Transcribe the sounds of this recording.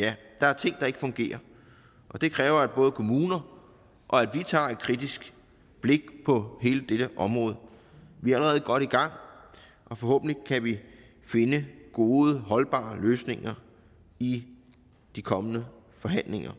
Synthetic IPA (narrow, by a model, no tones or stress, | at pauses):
jæd̥ɑ̈æɐt͡sʰe̝ŋ̰d̥ɑ̈e̝ɡ̥fɔ̽ŋɡ̥e̝̰ːɐ | ʔɒ̽d̥e̝kʰʁɛːʊɐæd̥̚b̥ɔ̽ːð̞̩ˠəkʰo̝muːnɐ | ʔɒ̽æd̥ʋit͡sʰɑ̰̈ːe̝d̥̚kʰʁid̥isɡ̥ | b̥le̝ɡ̥̚pʰɒ̽he̝ːləd̥eɾ̥əʔɒ̽mʁɔ̽ːð̞ˠə | ʋiææləʁɛːð̞̩ˠɡ̥ɒ̽ɾ̥iɡ̥ɑ̈ŋ̰ | ʔɒ̽fɒ̽hɔ̰̽ːb̥n̩likʰæʋi | fe̝nəɡ̥o̝ːðˠəɦɒ̽lb̥ɑ̰̈ːløːsne̝ŋɐ | i | d̥ikʰɒ̽mənə | fɒ̽ɦæn̰leŋɐ